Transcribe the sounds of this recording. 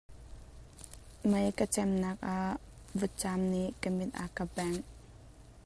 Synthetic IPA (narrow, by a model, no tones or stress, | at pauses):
məjkət͡ʃɛmnak̚ʔa | vət͡ʃamnikəmɪt̪̚ʔa̰kabɛŋ